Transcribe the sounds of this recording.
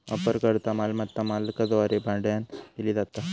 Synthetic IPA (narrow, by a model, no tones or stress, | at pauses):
ɐ̰pəɾkəɾt̪amalmɐt̪ːamalkɐd̪ʋaɾebʱãɳɖjanilid̪at̪a